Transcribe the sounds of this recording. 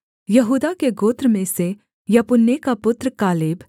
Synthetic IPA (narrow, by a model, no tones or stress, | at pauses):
jɐɦuːd̪akeɡoːt̪ɾəmẽse | jɐpʊnːekapʊt̪ɾkaːleːb